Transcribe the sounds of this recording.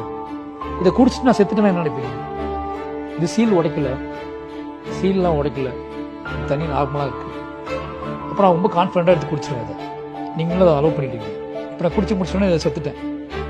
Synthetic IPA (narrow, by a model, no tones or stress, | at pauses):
ɪðɛkʊɽɪt͡ʃːɯ̥ʈːnãːsɛt̪ːɯʈẽːnãːɛnːɐnɪpːɪŋɡ | ɪðɯsiːlɔɽɐkːɪlɐ | siːllãːɔɽɐkːɪlɐ | t̪ɐnːinaːɣɐmlãːɪɾɯkːɯ̃ | ɐpːɾõɾɔmbɐkaːnfɪɾɛɳʈaːɾt̪ːɯkʊɽɪt͡ʃːɪɾãɪðɐ | niːŋɡɐɭlːɐːðaɐlɐːpɐɳːɪʈːiːŋɡɐ | ɐpːɐ̃nːkʊɽɪt͡ʃːkmʊɽɪt͡ʃːɪʈːnːaːɪðɛsɛt̪ːɯʈːẽː